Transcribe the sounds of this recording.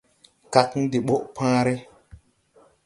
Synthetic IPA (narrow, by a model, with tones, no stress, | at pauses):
ka˨kn˦de˨ɓo˦ʔpãː˦ɾe˦